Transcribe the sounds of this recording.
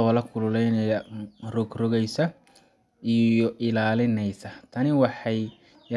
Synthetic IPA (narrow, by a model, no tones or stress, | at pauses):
ɔlɐkʰʊlʊlɛjnɛjɐrɔɡrɔɣɛjsɐ | ijɔʔɪlaːlɪnɛjsɐt̪ʰɐnɪwɑħɑj